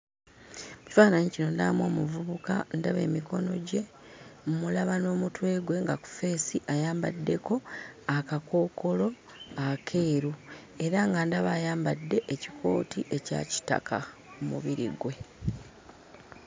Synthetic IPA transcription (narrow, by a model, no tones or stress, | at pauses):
ci̥faːnaɲicino̞ndamwo̞ːmuvuβuka̰ndaβe̞̰ːmiko̞no̞ɟe̞ | mmulaβano̞ːmutwe̞ːɡwe̞ŋɡaku̥fe̞ːsiʔajaːmba̰dːe̞ko̞akakʰo̞ːko̞lo̞ | akʰe̞ːɾu | e̞ɾaŋɡandaβajaːmbadːe̞ʔeci̥kʰo̞̰ːtiʔe̞ca̰ci̥ta̰kʰa | umṵβiɾḭɡwe̞